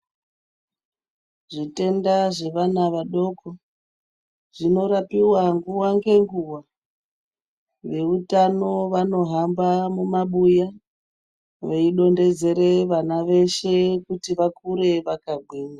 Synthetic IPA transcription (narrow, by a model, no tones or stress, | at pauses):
ʐite̞ndaʐe̞ʋanaʋaɗo̞ko | ʐ̥ino̞ɾapiwaŋɡuwaŋɡe̞ŋɡuwa | ʋe̞utano̞ʋano̞ɦambamumaɓuja | ʋeiɗo̞nde̞d͡ze̞ɾe̞ʋanaʋe̞ʃe̞kutiʋakuɾe̞ʋakaɡʱwiːna